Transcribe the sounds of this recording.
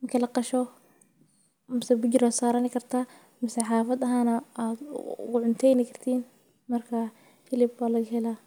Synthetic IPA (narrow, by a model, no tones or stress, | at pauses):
ɪmkɪlɑqɑʃɔ | mɪsɛbʊɟɪɾaːsaːɾɐnɪkɐɾt̪ʰaː | mɪsɛħaːfɐd̪ɐɦaːnaat̪ɡʊʕʊnt̪ʰɛːjnɪkʰɐɾt̪ʰiːn | mɐrkʰa | fɪlɪbwaːlɐɡhɛlaː